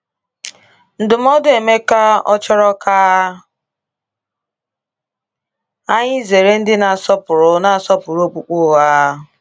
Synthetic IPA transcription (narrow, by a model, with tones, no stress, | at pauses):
n̩˨dʊ˨m̩˦ɔ˦de˨me˦ka˦ɔ̰˦t͡ʃɔ˦ɾɔ˦ka˦ | a˦ɲɪ˦ze˨ɾe˦n̩˦dɪ˦na˨sɔ˦pʊ˨ɾʊ˨na˨a˨sɔ˦pʊ˨ɾo˦k͡pu˨k͡pʊ˦˨a˦